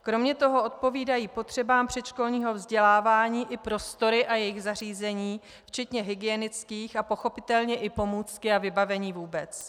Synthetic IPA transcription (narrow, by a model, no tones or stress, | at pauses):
kɾo̞mɲɛt̪o̞ɦo̞o̞t̪̚po̞viːdajiːpo̞t̪r̥ɛbaːmpr̝̥ɛʃko̞lɲiːɦo̞vzɟɛlaːvaːɲiːʔɪpɾo̞st̪o̞ɾɪʔajɛjɪɣzar̝iːzɛɲiː | ft͡ʃɛt̪ɲɛɦɪɡɪjɛnɪt͡skiːxapo̞xo̞pɪt̪ɛlɲɛʔɪpo̞muːt͡skɪavɪbavɛɲiːvuːbɛt͡s